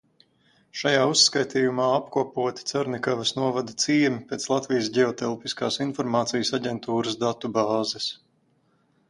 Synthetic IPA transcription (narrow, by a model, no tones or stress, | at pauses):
ʃajaːusːkajt̪iːjumaːapkuɔpuɔt̪i̥t̪saɾnʲikavɐsnuɔvad̪at̪siːɛmipʲeːt̪slˠat̪viːjs̬ɟɛɔt̪ɛlˠpiskaːsinfɔɾmaːt̪sijəsaɟʲɛnt̪uːɾɐsd̪at̪ubaːzɛs